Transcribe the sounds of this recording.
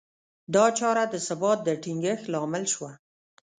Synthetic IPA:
d̪ɑt͡ʃɑɾad̪əsabɑt̪̚d̪əʈiŋɡəxlɑmɪlʃwa

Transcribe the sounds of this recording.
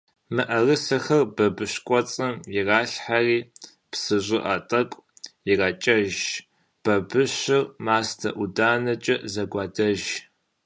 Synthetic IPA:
mɨʔɐrɨsɐxɐrbɐbɨɕkʷʼɔt͡sʼɐmjiraːɬħariː | psɨʑʷʼɪʔɐtʼɐkʷʼjirɐt͡ʃʼɐʒ | b̥ɐbɨɕɪrmaːstʰɐʔudaːnɐt͡ʃʼɐzɐɡʷɑːdɐʒ

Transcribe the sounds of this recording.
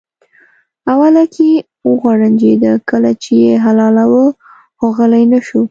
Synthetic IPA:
awalakʰe | wəɣwaɽand͡ʒed̪akəlat͡ʃejeɦalɑlawə | xoɣəlajnaʃu

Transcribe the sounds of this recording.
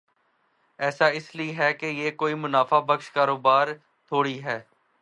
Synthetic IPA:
ɛːsaːɪsliɦɛːkejeːkoːiːmʊnaːfaːbəkʃkaːɾoːbaːɾ | t̪ʰoːɽiːɦɛː

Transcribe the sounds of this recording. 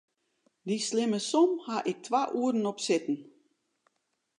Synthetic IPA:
dislɪməsomhaʔɪk̚tʰʋaʔuəɾn̩ɔpsɪtn̩

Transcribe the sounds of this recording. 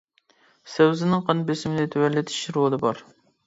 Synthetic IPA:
sɛwzɪnɪŋqʰɑnbesɪmɪnɪt̪ʰewælːɪt̪ʰɪ̥ʃɾolˠɨbɑɾ

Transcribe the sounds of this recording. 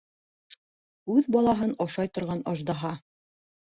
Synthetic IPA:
ʉðbɑlˠɑɦɤnŏʃɑjt̪ŏɾʁɑnŏʒd̪ɑɦɑ

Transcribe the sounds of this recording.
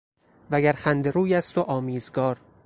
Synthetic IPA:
væɡæɾxænd̪e̞ɾuːjæst̪oʔɒːmiːzɡɒːɾ

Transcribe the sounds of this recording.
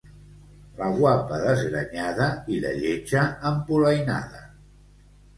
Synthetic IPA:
ləɣwapəðəzɣɾəɲaðəilə̰ʎed͡ʒəːmpuləjna̰ðə

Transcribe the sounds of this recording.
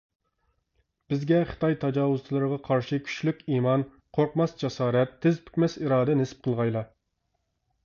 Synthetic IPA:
b̥ɪzɡʲɛχə̥t̪ʰɑjt̪ʰɑd͡ʒɑːwʊz̥t͡ʃ̪ʰlˠɨɾəʁɑqʰɑɾʃikʲʰy̥ʃt͡ʃlykʲiːmɑn | qʰoɾqmɑsd͡ʒɛsɑːɾɛt̪ʰːɪzpʰy̥kʲmɛsiɾɑːd̪ɛnɪsɪ̥p̚qʰəlˠʁɑjlˠɑ

